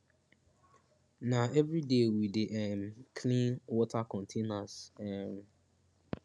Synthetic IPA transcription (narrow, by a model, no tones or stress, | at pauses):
naʔɛvɹidewideʔɛmkʰlĩnwɔtakɔ̃ntʰenasɛm